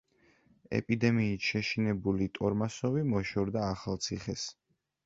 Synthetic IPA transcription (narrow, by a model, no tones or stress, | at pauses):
ɛ̰pʼid̪ɛmiːt̪ʃɛʃinɛbulit̪ʼɔɾmasɔvimɔʃɔɾd̪aːχalˠt̪sʰiχɛs